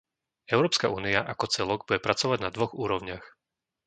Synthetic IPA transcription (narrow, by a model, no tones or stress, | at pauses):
ɛʊɾɔːpskaʔuːniaʔakɔt͡sɛlɔɡbuɟɛpɾat͡sɔʋaɟnad̪ʋɔɣuːɾɔʊɲɪax